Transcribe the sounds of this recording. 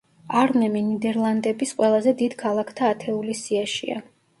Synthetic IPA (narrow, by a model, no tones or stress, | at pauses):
aɾnɛminid̪ɛɾlˠand̪ɛbisqʼwɛlˠazɛd̪id̪̥kʰalˠakʰt̪ʰaːt̪ʰɛulisiaʃḭa̰